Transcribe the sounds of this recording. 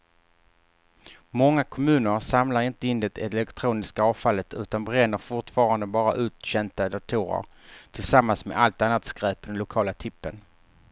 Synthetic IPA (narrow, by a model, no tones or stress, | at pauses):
mɔŋːakʰɔmʉ̟ːnəɾsamlaɾɪnt̪əɪnd̪ɛt̪ɛlɛkt̪ʰɾuːnɪskaɑːvfalːət̪ʉ̟ːt̪anbɾɛnːəɾfʊʈfɑːɾand̪əbɑːɾa̰ʔʉ̟ːt̪ɕɛnt̪ad̪at̪ʰuːɾə̰ɾt̪ʰɪlsamːansmɛ̰ʔalt̪anːat̪skɾɛːpd̪ɛnlʊkʰɑːlat̪ʰɪpːən